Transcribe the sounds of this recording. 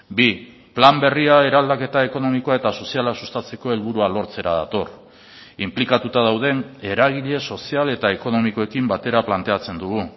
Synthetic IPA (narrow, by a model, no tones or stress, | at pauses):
bi | plambe̞riae̞ɾald̪ake̞t̪ae̞ko̞no̞mikoae̞t̪aso̞sialasu̥st̪at͡se̞ko̞e̞lβuɾualo̞ɾt͡se̞ɾa̰ða̰t̪o̞r | implikat̪ut̪að̞awðe̞ne̞ɾaɣ̞iʎe̞so̞siale̞t̪ae̞ko̞no̞miko̞e̞kimbat̪e̞ɾaplant̪e̞at͡se̞nd̪uɣ̞u